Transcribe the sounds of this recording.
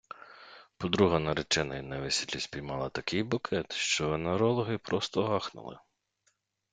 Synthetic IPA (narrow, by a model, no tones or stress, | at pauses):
pɔd̪ɾuɦɐnɐɾet͡ʃɛnɐ̰jnɛʋesʲid̪lʲisʲpʲijmɑlˠɐt̪ɐkɪjbʊkʰɛt̪ʃt͡ʃɔɐneɾɔlˠɔɦɪpɾɔst̪ɔɦɑxnʊ̰lˠɪ̰